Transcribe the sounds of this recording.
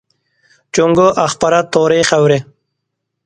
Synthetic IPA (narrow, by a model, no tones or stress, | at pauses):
t͡ʃʊŋɡoʔaxpaɾat̪oːɾexawɾe